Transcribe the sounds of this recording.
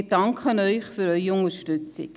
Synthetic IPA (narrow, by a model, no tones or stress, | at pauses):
dɑŋkʰχənœʏχfyɾœʏiʊŋəɾʃtʉt͡sɪ̰k